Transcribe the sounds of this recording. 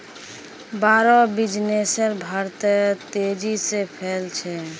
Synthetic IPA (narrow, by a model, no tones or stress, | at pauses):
baɾɔbid͡ʒnesəɾbʱaɾt̪t̪ed͡ʒisepʰɛlt͡ʃʰɛ